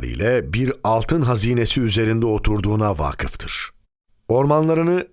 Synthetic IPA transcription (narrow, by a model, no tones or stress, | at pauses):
ɾɯ̰jlʲɛbiɾalˠt̪ʰɯnɦaziːne̞siyze̞ɾind̪ɛo̞t̪ʰuɾd̪uːnava̰ːkʰɯft̪ʰɯɾ̥ | o̞ɾmanlˠaɾɯnɯ